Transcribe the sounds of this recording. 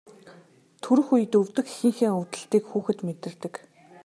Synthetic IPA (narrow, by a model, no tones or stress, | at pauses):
t̪ʰɵɾɵ̆xuj̆t̪ɵwt̪ɘ̆xxĭŋxeːŋʊwt̪ə̆ɬt̪iːkxuːxɘ̆t̪met̪ɘ̆rt̪ɘ̆k